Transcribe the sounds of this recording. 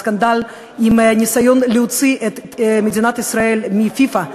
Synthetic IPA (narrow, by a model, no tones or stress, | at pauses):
kɐnd̪alʲ | iməɐnʲisɐjonlʲɪʊt̪sɨʔɛt̪mʲɪdʲɪnat̪ɨsɾaelʲmʲifʲifɐ